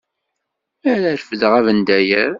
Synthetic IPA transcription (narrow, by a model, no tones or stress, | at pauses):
æɾæɾfəðʁævənd̪æjəɾ